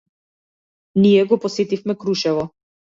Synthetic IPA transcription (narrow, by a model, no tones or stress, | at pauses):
nijɛɡɔpɔsɛt̪ifmɛkɾuʃɛvɔ